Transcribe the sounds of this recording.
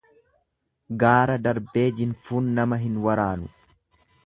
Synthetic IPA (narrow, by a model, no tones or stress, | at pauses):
ɡaːɾɐd̪ɐɾbe̞ːd͡ʒɪnfuːnːɐmɐɦɪnwɐɾaːnʊ